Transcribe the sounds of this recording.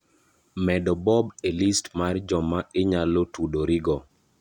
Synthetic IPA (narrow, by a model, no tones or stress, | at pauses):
mɛdɔbɔbelistmard͡ʒɔmaeɲalotudoɾiɡɔ